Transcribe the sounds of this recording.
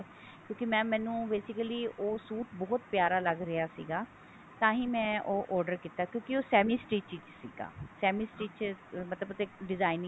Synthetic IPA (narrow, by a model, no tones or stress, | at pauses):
kjõːkɪmɛ̃ːmɛ̃ːnũːbeːsɪkəliːʔoːsuːt̪bɔːt̪pjaːɾaːləɡɾɪjaːsḭːɡaː | t̪ãːɦĩːmɛ̃ːʔoːʔɔːɾɖəɾkiːt̪aːkjõːkɪoːsɛːmiːsʈiːt͡ʃiːt͡ʃsḭːɡa̰ːsɛːmiːsʈɾiːt͡ʃmət̪ləbət̪eɖɪzaːɪn